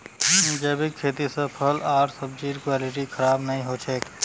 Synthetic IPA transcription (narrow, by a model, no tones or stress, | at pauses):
mud͡ʒeːbɪkʰːeːt̪isẽpʰəlaːɾsəb̚d͡ʒiːɾkwaːlɪʈikʰɐɾaːbnɐɦĩɦoːt͡ʃʰeːk